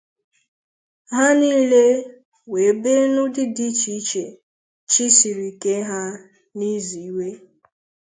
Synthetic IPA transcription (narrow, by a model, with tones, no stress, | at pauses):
ɦa˦niː˦le˦ | we˨be˦nʊ˦dɪ˦di˦t͡ʃi˨i˦t͡ʃe˨ | t͡ʃi˦si˨ɾi˨ke˦ɦa˦ | ni˦zi˨˦we˦